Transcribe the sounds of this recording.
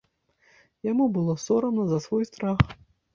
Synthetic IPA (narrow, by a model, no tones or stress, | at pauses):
jamubɨlˠɔsɔɾɐmnɐzɐsvɔjst̪ɾax